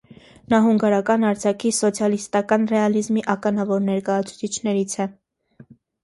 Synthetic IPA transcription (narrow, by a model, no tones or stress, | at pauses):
nɑɦuŋɡɑɾɑkɑnɑɾd͡zʰɑkʰisɔt͡sʰjɑlist̪ɑkɑnrɛɑlizmiʔɑkɑnɑvɔɾnɛɾkɑjɑt͡sʰu̥t͡sʰit͡ʃʰnɛɾit͡sʰɛ